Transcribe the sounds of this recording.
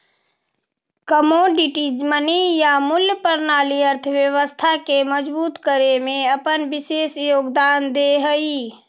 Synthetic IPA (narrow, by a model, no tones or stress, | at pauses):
kəmoɖiʈid͡ʒmənijamʊljəpəɾnaːliəɾt̪ʰəbjəʋəst̪ʰakeməd͡ʒbuːt̪kəɾemẽəpənbɪseːsjoːɡd̪aːnd̪eɦəi